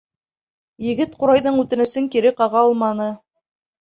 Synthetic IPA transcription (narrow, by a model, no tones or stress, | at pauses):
jɘ̆ɡɘt̪̚quɾɑjðɤɴʉt̪ɘ̆nɘ̆sɘŋkiɾɘqɑʁɑɑlˠmɑnɤ